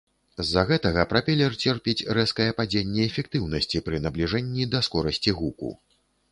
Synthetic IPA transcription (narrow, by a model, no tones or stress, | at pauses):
zːɐɣɛt̪ɐɣɐpɾapʲɛlʲɛrt͡sʲɛrpʲit͡sʲrɛskɐjɛpad͡zʲenʲːɛːfʲɛk̚t̪ɨwnɐsʲt͡sʲipɾɨnɐblʲiʐɛnʲːid̪ɐskɔɾɐsʲt͡sʲiɣukṵ